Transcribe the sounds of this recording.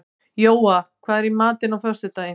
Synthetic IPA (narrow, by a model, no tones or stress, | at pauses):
joːwakʰvaːðɛɾimaːt̪ɪnawfœrst̪ʏt̪aːjɪ